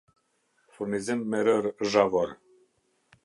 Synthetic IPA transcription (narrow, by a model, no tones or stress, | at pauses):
fuɾnizɛmːɛɾəɾʒavɔɾ